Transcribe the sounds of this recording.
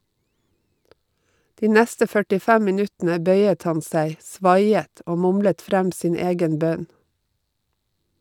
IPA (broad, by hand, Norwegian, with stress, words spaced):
ˈdiː ˈnæstə fœʈɪˈfæm mɪˈnʉtn̩ə ˈbœʏət ˈhɑn ˈsæɪ ˈsʋɑɪət ˈoː ˈmʊmlət ˈfɾæm ˈsiːn ˈeːɡən ˈbœn